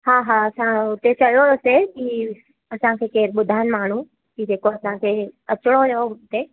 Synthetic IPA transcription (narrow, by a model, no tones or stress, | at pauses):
ɦaːɦãɐsãʊt̪ːet͡ʃɐjoəseki | ɐsãkʰeːkeːɾɓʊd̪ʱaːənmaːɳ̤u | kid͡ʑeːkoɐsãkʰeːɐt͡ʃɽ̃ojeoʊt̪e